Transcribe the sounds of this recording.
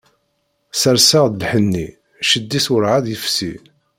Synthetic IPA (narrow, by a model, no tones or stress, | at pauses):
səɾsaʁd̪lħənːi | ʃəd̪ːisʊɾʕaðjəfsi